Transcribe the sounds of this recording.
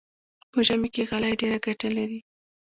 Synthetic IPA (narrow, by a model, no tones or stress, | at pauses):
pəʒamekeɣalajɖeɾaɡaʈalaɾi